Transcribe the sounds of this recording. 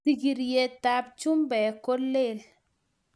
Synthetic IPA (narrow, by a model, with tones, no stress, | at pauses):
i˨ɡi˨ɾje˦ta˦b̚t͡ʃu˦mbɛ˨ko˦le˦l